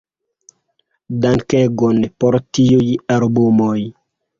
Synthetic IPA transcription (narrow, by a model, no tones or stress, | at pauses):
daŋkɛɡɔnpɔɾtiujalbumoj